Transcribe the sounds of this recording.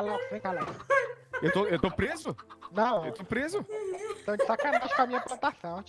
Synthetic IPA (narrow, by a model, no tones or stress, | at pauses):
lɔksẽjkalɔkewt̪oewt̪opɾezʊnɐ̃w̃ḛwt̪opɾezʊ̃t̪ɐ̃w̃d͡ʒɪsakanat̪ɐʃkãmĩɲɐplɐ̃t̪asɐ̃w̃t͡ʃ